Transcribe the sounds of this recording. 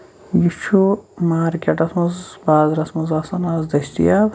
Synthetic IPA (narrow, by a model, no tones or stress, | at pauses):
ɡit͡ʃʰumaːɾkʲeʈɐsmɐzbaːzɾɐsmɐzaːsɐnaːzd̪ɐsʈḭjaː